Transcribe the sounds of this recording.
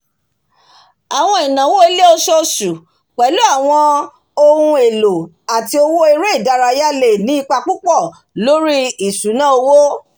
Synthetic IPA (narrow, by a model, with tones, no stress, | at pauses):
a˨w̃ɔ̃˧i˨nã˨wo˦e˧˦le˦o˧ʃɔ˧su˨ | k͡pɛ˨˦lu˦a˦˨w̃ɔ̃˧ | o˧hũ˧e˨lo˨ | a˨ti˧o˧wo˦e˧ɾe˦i˦˨da˧ɾa˧ja˦le˦˨nĩ˨˦i˧k͡pa˧k͡pu˦k͡pɔ˦˨ | lo˦ɾi˦i˦˨su˨˦nãː˦o˧wo˦